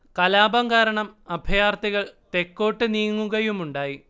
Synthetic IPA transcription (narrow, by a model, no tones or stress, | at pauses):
kɐlaːbɐŋɡaːɾɐɳɐmɐbʱjaːrt̪iɣɐɭt̪e̞kːo̞ːʈːɨniːŋːuɣɐjumuɳɖaːji